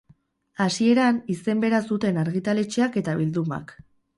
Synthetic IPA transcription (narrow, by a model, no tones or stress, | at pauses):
asie̞ɾanise̞mbe̞ɾasut̪e̞naɾɣ̞it̪ale̞t͡ʃeake̞t̪aβild̪uma̰k